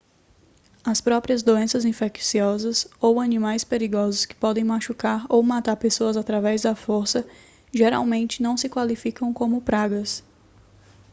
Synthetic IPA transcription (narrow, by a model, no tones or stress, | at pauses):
ɐspɾɔpɾiɐzd̪oẽsɐzĩfɛksiɔzɐsowɐnĩmajspeɾiɡɔzʊskɪ̥pɔd̪ẽj̃maʃukaɾowmat̪aɾpesoɐzat̪ɾavɛzd̪ɐfoɾsɐ | ʒeɾa̰wmẽnt͡ʃɪnɐ̃w̃sɪkwalifikɐ̃w̃kõmʊpɾaɡɐs